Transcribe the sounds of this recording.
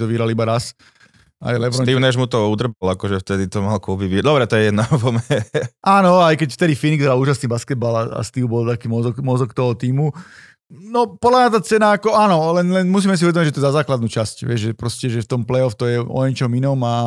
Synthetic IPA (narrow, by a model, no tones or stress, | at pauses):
t̪ɔʋiɦɾalibaɾas | a̰jlɛvɾɔiːmnɛʒmut̪ɔud̪r̩balakɔʒɛft̪ɛd̪it̪ɔmalkulbiʋid̪ɔbɾɛt̪ɔjɛjɛd̪navɔmɛʔaːnɔajkɛcft̪ɛd̪ifiniɡt̪ɔɾauːʒasniːbaskɛd̪̚balaa̰st̪iʊbɔlt̪akiːmɔzɔkmɔzɔkt̪ɔɦɔt̪iːmu | nɔpɔd̪lamɲat̪aːt͡sɛnaakɔanɔlɛnlɛnmus̬iːmɛs̬iuʋɛd̪ɔmiɟʒɛt̪ɔɛzazaːklad̪nuːt͡ʃascʋɪɛʒʒɛpɾɔscɛʒɛft̪ɔmplɛɔft̪ɔjɛɔ̰jɛɲt͡ʃɔminɔma